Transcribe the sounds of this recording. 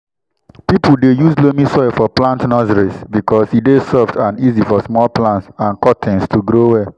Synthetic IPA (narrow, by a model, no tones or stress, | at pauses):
pipul̩dejuzlomĩsɔɪlfɔplãntnɔziɹisbikɔsidesɔftãnizifɔsmɔlplãntsãnkɔtʰĩnstʰuɡɾowɛ